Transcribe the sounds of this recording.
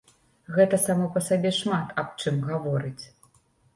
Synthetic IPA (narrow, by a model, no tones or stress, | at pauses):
ɣɛt̪ɐsamɔpɐsabʲɛʂmat̪ɐpt͡ʂɨmɣavɔɾɨt͡sʲ